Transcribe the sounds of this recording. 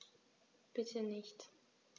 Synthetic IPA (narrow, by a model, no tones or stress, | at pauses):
b̥ɪtʰənɪçt